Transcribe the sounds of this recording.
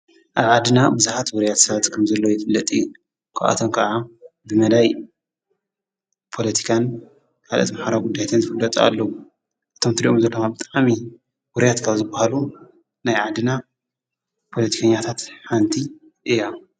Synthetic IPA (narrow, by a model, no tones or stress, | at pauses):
ʔaβʕad̪ɨnabɨzaħat̪wʊɾjat̪sɐβat̪kʰɐmzɐlːo̞jɪfʼɨlːɐt̪ʼiju | kʰaʔʔa̰t̪ʰomkʰɐʕabɨmɐd̪aj | pʰo̞lɐt̪ʰi̥kʰan | kʰalʔo̰t̪maħaɾaɡud̪ːajat̪ʰɨnzɨfɨlːɐt̪ʼa̰lːɐwu | ʔɨt̪ʰomt̪ʰɨɾiʔomzɐlːomabɨt̪ʼaʔʕmi | wʊɾjat̪kʰaβzɨbahalu | najʕad̪ɨna | pʰo̞lɐt̪ʰi̥kʰɐɲːat̪ʰat̪ħant̪ʰi | ʔɨjːa